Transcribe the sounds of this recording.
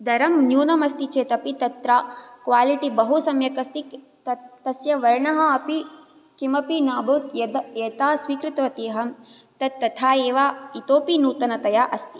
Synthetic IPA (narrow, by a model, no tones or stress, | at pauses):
d̪ɐɾɐmnjuːnɐmɐst̪it͡ʃeːt̪ɐpit̪ɐt̪ɾaːkʋaːliʈibɐɦusɐmjɐkɐst̪i | t̪ɐt̪ɐsjɐʋɐɾɳɐɦɐɐpi | kimɐpinaːboːt̪jɐd̪ɐeːt̪aːsʋiːkɾɪt̪ɐʋɐt̪eːɦɐm | t̪ɐd̪̚ːɐt̪ʰaːeːʋaːit̪oːpinuːt̪ɐnɐt̪ɐjaːʔɐst̪i̥